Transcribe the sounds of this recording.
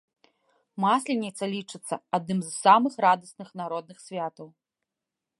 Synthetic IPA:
masʲlʲinʲit̪sːɐlʲit͡ʂɨt̪sːɐ̰ad̪̚nɨmzsamɨxrad̪ɐsnɨxnaɾɔd̪nɨxsʲvʲat̪ɐw

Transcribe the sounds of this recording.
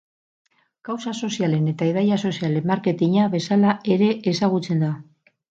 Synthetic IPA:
kawsaso̞siale̞ne̞t̪aiðajaso̞siale̞mmːaɾke̞t̪iɲaβe̞salae̞ɾe̞ʔesaɣ̞ut͡se̞nd̪a

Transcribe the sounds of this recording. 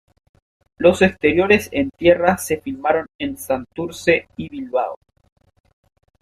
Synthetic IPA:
lo̞sekst̪e̞ɾjo̞ɾe̞sent̪je̞rase̞filmaɾo̞nensant̪uɾseiβilβa̰o̰

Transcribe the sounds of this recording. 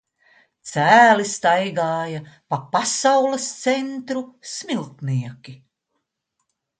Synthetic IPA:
t̪sæːlist̪ajɡaːjɐpapasawlˠɐst̪sent̪ɾusmilˠt̪niɛkʲi

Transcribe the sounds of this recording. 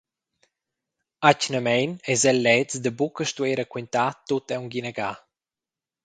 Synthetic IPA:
acnəmɛjnɛzɛlːɛt͡sd̪əbukəʃt̪ueɾəkwint̪at̪ut̪ɛwŋɡinəɡa

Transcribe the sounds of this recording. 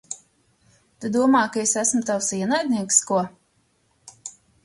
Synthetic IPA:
t̪ed̪uɔmaːjkaesæsmʊt̪awsiɛnajd̪ʲnʲiɛkskuɔ

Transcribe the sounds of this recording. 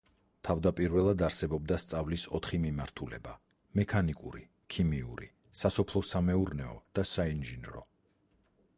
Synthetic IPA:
t̪ʰavd̪apʼiɾvɛlˠad̪aɾsɛbɔb̚d̪ast̪sʼavlisɔ̰t̪ʰχimimaɾt̪ʰulɛ̰ba | mɛkʰanikʼṵɾi | kʰimiṵɾi | sasɔpʰlˠɔsamɛuɾnɛɔd̪̥asainʒinɾɔ̰

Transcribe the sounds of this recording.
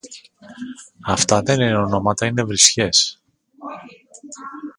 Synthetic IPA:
ɐft̪ɐðe̞nineo̞no̞mɐt̪ɐine̞vɾisçe̞s

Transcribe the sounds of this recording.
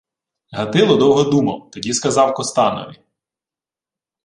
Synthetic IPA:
ɦɐt̪ɪlˠɔd̪ɔwɦɔd̪umɐ̰wt̪ɔdʲiskɐzɑwkɔst̪ɑnɔ̰ʋʲi

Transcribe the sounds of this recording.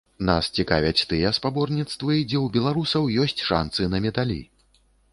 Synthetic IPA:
na̰st͡sʲikavʲɐt͡sʲt̪ɨjɛspabɔrnʲit̪st̪vɨd͡zʲɛwbʲɛlˠaɾusɐwjɔsʲt͡sʲʂa̰nsɨnɐmʲɛd̪alʲḭ

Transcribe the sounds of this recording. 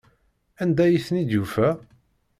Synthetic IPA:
ænd̪æjiθnid̪jufæ

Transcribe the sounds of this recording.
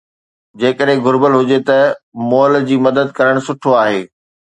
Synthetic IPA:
d͡ʑeːkəɗɦɪ̃ɡʱʊɾbəlɦʊd͡ʑet̪ɐmɔːld͡ʑiːmɐd̪əd̪̚kɐɾəɽ̃sʊʈʰoaːɦeː

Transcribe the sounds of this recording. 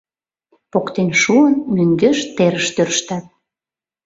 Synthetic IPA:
pokt̪enʃuənmyŋɡøʃt̪eɾəʃt̪ørʃt̪at̪̚

